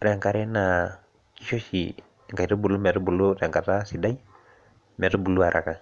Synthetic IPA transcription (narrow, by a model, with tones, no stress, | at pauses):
ɾa˨ŋka˨ɾɛ˦na˨ | ki˨ʃo˦ʃi˨ | ŋka˨i˨tɔ˦bu˨lu˦mɛ˨tɔ˦bu˨lu˦ɾa˨ŋka˨ta˦si˨da˦i˦ | mɛ˨to˦bu˨lu˦a˨ɾʔa̰˨ka˨